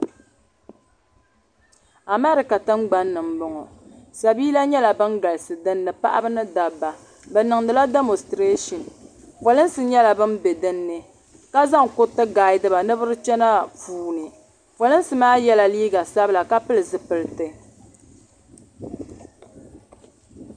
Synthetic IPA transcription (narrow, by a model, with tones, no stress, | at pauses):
a˨mɛ˦ɾɪ˨ka˨tɨ˦ŋɡ͡ba˦nːɨ˨mbɔ˦ŋɔ˨ | sa˨biː˦la˦ɲɛ˦la˨bɨ˦nɡa˨lɨ˨sɨ˨dɨ˦nːɨ˨pa̰˦ʔa̰˦bɨ˦nɨ˦da˨bːa˨ | bɛ˨nɨ˨ŋdɨ˨la˦de˦mo˨stɾe˦ʃɔ˨n | pɔ˨lɨ˦nsɨ˦ɲɛ˦la˨bɨ˦nbɛ˨dɨ˦nːɨ˦ | ka˦za˦ŋkʊ˦tɨ˦ɡa˨ɪ˦dɨ˦ba˨nɨ˦bɨ˦ɾɨ˦t͡ʃɛ˦na˦fuː˨nɨ˨ | fo˨lɨ˦n˦sɨ˨˦maː˦jɛ˦la˨liː˦ɡa˨sa˦bɨ˦la˨ka˦pɨ˦lɨ˨zɨ˨pɨ˨lɨ˨˦tɨ˦